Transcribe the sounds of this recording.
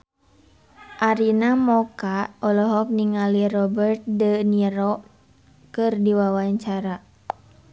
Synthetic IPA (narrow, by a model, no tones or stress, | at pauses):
ʔaɾinamɔkaɔlɔɦɔk̚niŋalirɔbərt̪̚dəniɾɔʔ | kɨrdiwawaɲt͡ʃaɾa